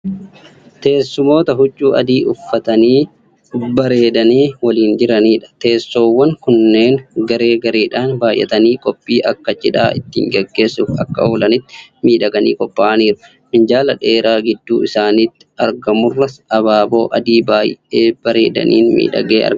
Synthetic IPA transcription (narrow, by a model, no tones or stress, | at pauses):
t̪e̞ːsːʊmo̞ːt̪ɐɦʊt͡ʃʼːuːʔɐd̪iːʔʊfːɐt̪ɐniː | bɐɾe̞ːd̪ɐniːwɐliːnd͡ʒɪɾɐniːᶑɐ̥t̪e̞ːsːo̞ːwːɐŋkʊnːe̞ːŋɡɐɾe̞ːɡɐɾeːᶑaːnbaːjʔːɛ̰t̪ɐniːkʼɔpʼːiːʔɐkːɐt͡ʃɪᶑa̰ːʔɪt̪ːḭːŋɡɛɡːe̞ːsːʊfɐ̰kːɐ̰oːlɐnɪt̪ːɪmiːᶑɐɡɐnḭːkʼɔpʼːaːʔɐniːɾʊ̥ | mɪnd͡ʒaːlɐᶑe̞ːɾaːɡɪd̪ːuːɪsaːniːt̪ːɪ̥ɐɾɡɐmʊrːɐsɐβaːbo̞ːʔɐd̪iːbaːjʔe̞ːb̥ɐɾe̞̰ːd̪ɐ̰nḭːnmḭːᶑɐ̰ɡeːɐ̰ɾɡ